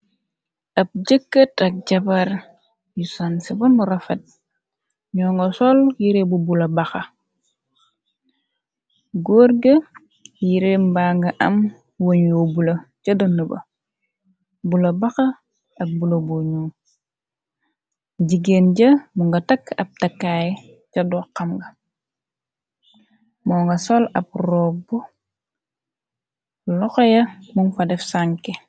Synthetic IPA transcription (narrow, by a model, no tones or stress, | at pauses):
ɐp̚ɟəkːətɐk̚ɟɐbaɾ | jusansibɐnuɾɐfet̚ | ɲɔːŋɡosɔljiɾebubulɐbɐxɐ | ɡoɾɡɐ | jiɾembaːŋɡɐʔɐm | woɲjoːbulɐcɐdɐnːəbɐ̰ | bulɐbɐxɐ | ɐk̚bulɐboɲuː | ɟiɡenɟɐmuŋɡɐtɐkːɐb̚tɐkːaːjɛ | cɐdɔːqːɐmɡɐ | mɔːŋɡɐsɔlɐb̚rɔːbu | lɔxɔjɐmuŋfɐdɛfsaŋkɛ